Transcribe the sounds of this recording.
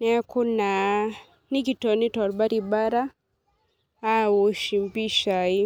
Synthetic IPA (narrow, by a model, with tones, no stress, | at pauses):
nɛ˦ku˦na˨ | ni˦ki˨tɔ˨ni˦tɔ˨ɾba˦ɾi˨ɓa˦ɾa˦ | u˨ʃi˨mbi˦ʃa˨i˦